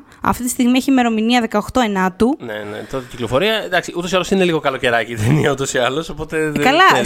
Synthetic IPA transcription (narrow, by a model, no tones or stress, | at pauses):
ɐ̰ft̪it̪ist̪iɣmieçime̞ɾo̞miniɐðe̞kɐoxt̪o̞e̞nɐt̪unḛnḛt̪ot̪ciklo̞fo̞ɾiɐed̪ɐksiut̪oialosineliɣo̞kɐlo̞ce̞ɾɐciðeniɐut̪osiɐlo̞so̞po̞t̪e̞kɐlɐ